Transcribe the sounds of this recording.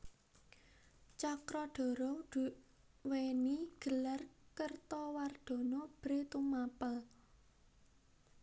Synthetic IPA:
t͡ʃakɾɔɖ̥ɔ̤ɾɔd̥ | weniɡ̥ə̤larkərt̪ɔward̪̥ɔ̤nɔb̥ɾet̪umapəl

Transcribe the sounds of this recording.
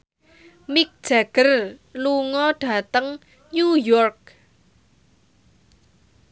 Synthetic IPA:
mik̚d̥ʒ̥aɡ̥ərluŋɔɖ̥a̤t̪əŋ | ɲujɔrk̚

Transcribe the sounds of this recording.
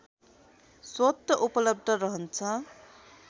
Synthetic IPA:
swʌt̪ːʌʔupʌlʌb̚d̪ʱʌɾʌɦʌnt͡sʰʌ

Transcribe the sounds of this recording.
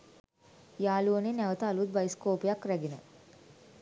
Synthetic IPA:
jaːluəninɛʋət̪aːlud̪̚bɐjskoːpijakɾɛɡinə

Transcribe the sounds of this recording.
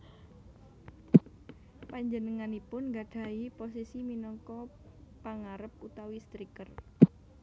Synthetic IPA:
paɲd͡ʒənəŋanipʊnŋɡaɖ̥ä̤iposisiminɔŋkɔpaŋaɾəp̚ut̪awist̪ɾikər

